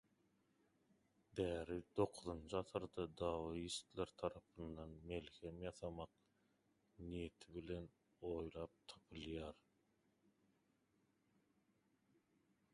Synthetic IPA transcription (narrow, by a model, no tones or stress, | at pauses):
d̪æːɾid̪o̞qʰuðɯnt͡ʃʰɯɑθɯɾd̪ɑd̪ɑːwist̪leɾt̪ʰɑɾɑpʰɯnd̪ɑnme̞lxemjɑθɑmɑq̚ | nije̞t̪ʰiβile̞n | o̞jlˠɑːp̚t̪ʰɑ̥pʰɯlˠjɑːɾ